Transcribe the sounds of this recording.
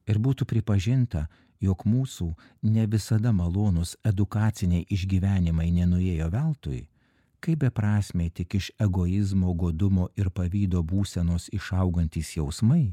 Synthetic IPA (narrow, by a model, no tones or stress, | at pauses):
ɪɾbuːt̪upʲɾʲɪpɐʒʲɪnt̪ɐ | joːkmuːsuː | nʲɛʋʲɪsɐd̪ɐmɐlˠoːnʊsɛd̪ʊkɑːt̪sʲɪnʲɛɪʔɪʒʲɡʲiːʋʲæːnʲɪmɐɪnʲɛnʊeːjoːʋʲɛlˠt̪o̰ːj | kɐɪpbʲɛpɾɑːsʲmʲeːt̪ʲɪkɪʃɛɡoːɪzmoːɡoːd̪ʊmoːɪɾpɐʋʲiːd̪oːbuːsʲɛnoːsɪʃɐʊɡɐnʲt̪ʲiːsjɛʊsmɐɪ